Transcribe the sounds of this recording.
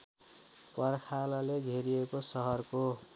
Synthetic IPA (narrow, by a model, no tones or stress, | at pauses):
pʌrkʰalʌleɡʱeɾijekosʌɦʌrko